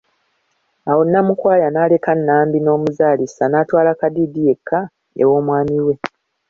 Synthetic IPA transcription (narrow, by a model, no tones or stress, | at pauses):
awo̞nːamukwaːjanaːle̞kanːaːmbino̞ːmuzaːlisanaːtwaːlakadiːdije̞kʰːa | ḛwo̞ːmwaːmiwe̞